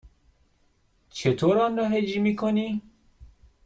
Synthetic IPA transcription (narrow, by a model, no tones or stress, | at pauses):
t͡ʃʰet̪ʰoɾɑnɾɔɦed͡ʒimikoni